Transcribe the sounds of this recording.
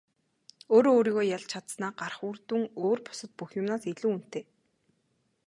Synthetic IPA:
oːɾooːɾiːɣoːjaɮt͡ɕʰat̪snaːɢarχurt̪uːŋoːrpʊ̥sə̆t̪̚puxjʊmnaːseɮuːun̥t̪eː

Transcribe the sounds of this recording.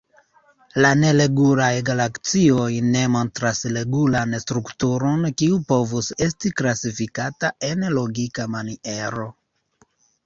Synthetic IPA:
lane̞le̞ɡulajɡalakt͡sio̞jne̞mo̞ntɾasle̞ɡulanstɾuktuɾo̞nkiupo̞vuse̞stiklasifikataenlo̞ɡikamaniʔe̞ɾo̞

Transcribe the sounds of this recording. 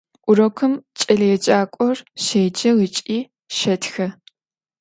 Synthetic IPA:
ʔʷʊrɐkʷʰʊmt͡ʃʼɐɮɐjɛt͡ʃʼaːkʷʼɔrʃeːd͡ʒɐʁɨt͡ʃʼiː | ʃɐtʰxɐ

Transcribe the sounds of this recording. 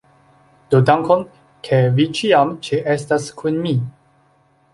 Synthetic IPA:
d̥odaŋkon | kʰe̞vit͡ʃiamt͡ʃeʔestaskʰunmi

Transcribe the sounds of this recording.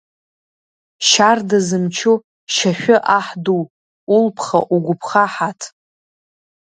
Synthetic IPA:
ʃardazɨmt͡ʃʰu | ʃaʃᶣʊʔaħduw | ulpʰχa̰ʔuɡʷʊpʰχaħatʰ

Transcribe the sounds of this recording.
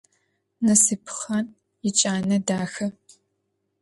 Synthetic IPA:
nɐsɨpʰχɐn | jɪt͡ʃʼaːnɐdaːxɐ

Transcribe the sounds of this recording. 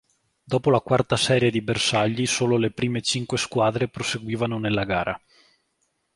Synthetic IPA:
d̪ɔːpolakwart̪asɛːɾjed̪ibersaʎːisoːlolepɾiːmet͡ʃiŋkweskwaːd̪ɾepɾoseɡwiːvanonelːaɡaːɾʔa

